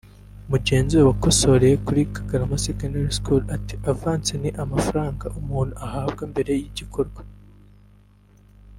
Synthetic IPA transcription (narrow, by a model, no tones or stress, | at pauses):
muɟe̞ːnziwewakoso̞ɾejekuɾikʰaɡaɾamasikanaɾiskulati̥ʔavaːnseniʔamafaɾaːŋɡaʔumuːn̥huʔahaːb̚ɡembe̞ɾe̞jiɟikʰo̞ɾɡwa